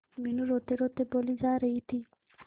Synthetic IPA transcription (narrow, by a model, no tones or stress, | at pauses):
minuɾot̪eɾot̪ebolid͡ʒaɾeit̪ʰi